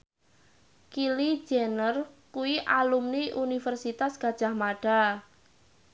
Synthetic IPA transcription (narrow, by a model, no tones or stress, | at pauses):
kili̥d͡ʒɛnərkuwiʔalumniʔunifɛrsit̪asɡ̥a̤d̥ʒ̥a̤hmaɖ̥a̤